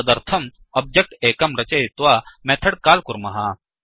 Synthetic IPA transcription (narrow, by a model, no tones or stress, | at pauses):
ɐd̪ɐɾt̪ʰɐm | ɐb̚d͡ʒɐk̚ʈeːkɐmɾɐt͡ʃɐɪt̪ʋaːmɛːt̪ʰɐɽkaːlkʊɾmɐɦaː